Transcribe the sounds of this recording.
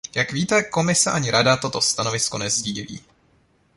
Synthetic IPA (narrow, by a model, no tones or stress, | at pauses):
jakviːt̪ɛko̞mɪsɛʔaɲɪɾadat̪o̞t̪o̞st̪ano̞vɪsko̞nɛzɟililḭː